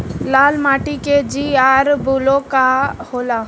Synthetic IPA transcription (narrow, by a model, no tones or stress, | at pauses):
laːlmaːʈiked͡ʒiaɾbulokahola